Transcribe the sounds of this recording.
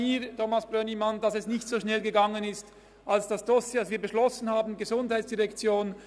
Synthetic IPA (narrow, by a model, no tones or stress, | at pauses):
iːɾtomasb̥ʁønimandɑsɛsnɪçtz̥oːʃnɛlɡəɡɑŋənɪst | ʔalsd̥ɑsd̥ɔsjedsviːɐbəʃlɔsn̩haːbn̩ɡəzʊndhaɪt͡ssd̥iʁɛkt͡sjoːn